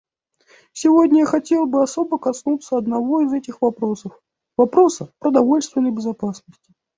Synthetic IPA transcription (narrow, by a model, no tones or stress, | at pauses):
sʲɪvo̞dʲnʲəjaxɐtʲe̞lˠbɨɐso̞bəkɐsnut̪səɐd̪nɐvo̞ɪzɛtʲɪxvɐpɾo̞səf | vɐpɾo̞səpɾəd̪ɐvo̞lʲst̪vʲɪnːəjbʲɪzɐpasnəsʲtʲɪ̥